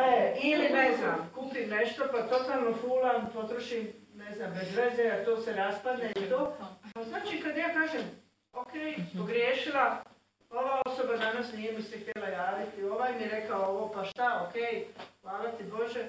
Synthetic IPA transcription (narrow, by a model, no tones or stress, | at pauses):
eilineznamkuːpimneʃt̪o̞pat̪o̞t̪aːlˠno̞fuːlanpo̞t̪ɾoʃimne̞znambezʋezeat̪oːseɾaspad̪neit̪oːpaznaːt͡ʃiːkad̪jaːkaːʒem | o̞kejpoɡɾjeːʃila | o̞ʋao̞so̞bad̪anasnijemisɛxt̪jelaɾaːd̪it̪io̞ʋajmieɾe̞kaooʋopaʃt̪aokejlaːlat̪ibo̞ʒe